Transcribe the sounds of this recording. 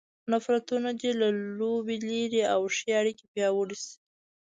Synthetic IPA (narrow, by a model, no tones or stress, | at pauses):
nafɾat̪unad̪elalobeleɾiawʂeaɽikepjɑwəɽisi̥